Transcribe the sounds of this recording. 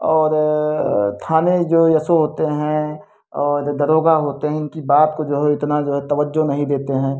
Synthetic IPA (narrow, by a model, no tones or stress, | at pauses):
ɔːɾ | t̪ʰaːned͡ʒoːjɐsoɦoːt̪eɦɛ̃ | ɔːɾd̪ɐɾoːɡaɦoːt̪eɦɛ̃ɪnkibaːt̪kod͡ʒoːɦɛɪt̪nad͡ʒoːɦɛt̪ɐʋəd͡ʒːonɐɦĩd̪eːt̪eɦɛ̃ː